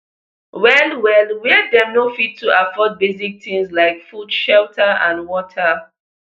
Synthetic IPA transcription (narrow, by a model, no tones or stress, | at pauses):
wɛlwɛlwɛdɛnofittʰːuʔafɔt̚bezik̚tĩŋslaɪkfudʃɛltʰaãnwɔtʰa